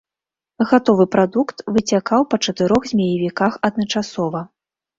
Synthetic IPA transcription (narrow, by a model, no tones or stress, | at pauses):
ɣat̪ɔvɨpɾad̪ukt̪vɨt͡sʲakawpɐt͡ʂɐt̪ɨɾɔɣzʲmʲajɐvʲikaxɐd̪̚nɐt͡ʂasɔvɐ